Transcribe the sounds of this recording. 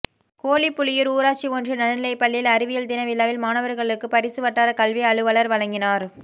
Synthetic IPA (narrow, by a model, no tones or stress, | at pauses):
koːlipːʊɭɪjɪɾuːɾaːt͡ʃːiɔndrɯnɐɽɐnɪlɐɪpːɐɭːɪlɐɾɪʋɪjɐld̪ɪnɐʋɪlːaːʋɪlmaːnɐʋɐɾɣɐɭɯkːɯpɐɾɪsɯʋɐʈːaːɾɐkɐlʋiɐɻɯʋɐɭɐɾʋɐɻɐŋɡɪnaːɾ